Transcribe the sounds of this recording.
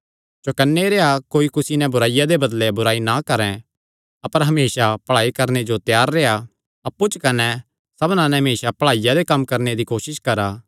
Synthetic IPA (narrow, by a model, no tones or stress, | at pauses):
t͡ʃɐkɐnːeɾeːakoːikʊsinɛ̃bʊɾaːɪjad̪ebɐd̪lebʊɾaːinakɐɾɛ̃ | ɐpəɾɦɐmeːʃapɐɭaːikɐɾned͡ʒot̪jaːɾːeːa | ɐpːut͡ʃkɐnɛ | sɐbnãnɛ̃ɦɐmeːʃapɐɭaːɪjad̪ekɐmːkɐɾned̪ikoːsɪskɐɾaː